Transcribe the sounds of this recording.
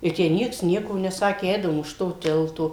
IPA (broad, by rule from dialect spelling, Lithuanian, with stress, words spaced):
ɪ ˈtʲæː ˈnʲiɛks ˈnʲiɛkoː nʲɛˈsɑːkʲeː ˈɛɪdɐʋoːm ʊʃ ˈtoː ˈtʲɪlˠtoː